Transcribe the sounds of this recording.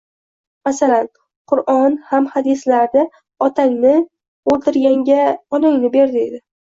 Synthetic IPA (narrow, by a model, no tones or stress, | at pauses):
masalan | qʰʊɾʔɒnhamhad̪ɪslaɾd̪ɪ | ɒt̪ʰaŋnɪ | olt̪ʰɪɾɡʲaŋɡʲaɒlɪŋnɪbe̞ɾd̪ɪe̞d̪ɪ